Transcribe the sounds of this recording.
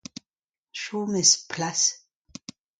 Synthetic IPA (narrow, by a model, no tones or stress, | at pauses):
ʃuːmɪspʰlas